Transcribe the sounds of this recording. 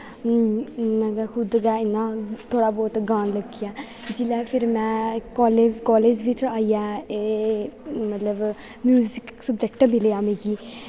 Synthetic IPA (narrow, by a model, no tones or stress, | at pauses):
nãɡakʰʊd̪ɡɛːɪnːãːt̪ʰːoːɽaːbɔːt̪ɡãːnləɡɪjaː | d͡ʒɪlɛːpʰɪɾmɛ̃ːkɔːlekɔːleːd͡ʒʋɪt͡ʃaːijaːeː | mət̪ləb | mjuːzɪksʊbd͡ʒɛkʈbilejaːmĩːɡiː